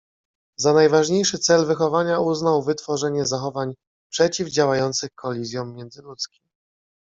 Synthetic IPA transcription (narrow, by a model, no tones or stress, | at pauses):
zanajvaʐɲejʂɘt̪sɛlvɘxɔvaɲauznawvɘt̪fɔʐɛɲɛzaxɔvaɲ | pʂɛt͡ɕivd͡ʑawajɔnt̪sɘxkʰɔlʲizʲjɔ̃w̃mʲːjɛnd̪zɘlut̪skʲim